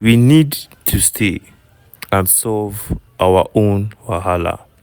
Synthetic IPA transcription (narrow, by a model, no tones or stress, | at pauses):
winidtʰustʰe | ãnsɔvʔawə̰ʔõnwaɦalə̰